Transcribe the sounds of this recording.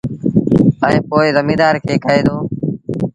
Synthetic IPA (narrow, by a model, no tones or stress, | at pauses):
aːĩːpoːɪzəmĩːd̪aːɾkʰeːkʰəeːd̪oː